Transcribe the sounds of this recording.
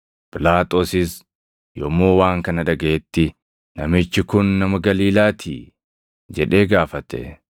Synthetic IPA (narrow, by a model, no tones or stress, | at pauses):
pɪlaːt̪ʼo̞ːsɪs | jɔmːoːwaːŋkɐnɐd̪ɐɡɐɛt̪ːɪ | nɐmɪt͡ʃːɪkʊnːɐmɐɡɐliːlaːt̪ʰḭː | d͡ʒɛᶑe̞ːɡaːfɐt̪ɛ̰